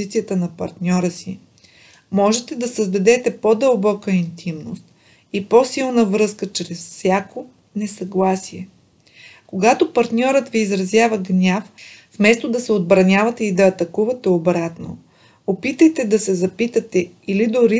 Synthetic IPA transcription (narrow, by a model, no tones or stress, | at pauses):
it̪sijət̪ənɐpɐɾt̪nʲɔɾəsi | mɔʒɛt̪ɛd̪ɐsəzd̪ɐd̪ɛt̪ɛpod̪əlˠbɔkəint̪ʰimnost̪̚ | iposilˠnəvɾɤskət͡ʃɾɛsfsʲjako | nɛsɐɡlˠasiɛ | koɡat̪opɐɾt̪nʲɔɾət̪viːzɾɐzʲjavɐɡnʲaffmɛst̪od̪ɐsɛod̪̚bɾɐnʲavɐt̪ɛid̪ɐːt̪ɐkuvɐt̪ɛobɾat̪no̰ | opit̪əjt̪ɛd̪ɐsɛzɐpit̪ət̪ɛ | ilid̪oɾi